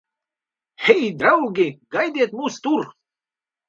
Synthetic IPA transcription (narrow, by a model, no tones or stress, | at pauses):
hejd̪ɾawɡeɡajd̪ʲet̪must̪uɾ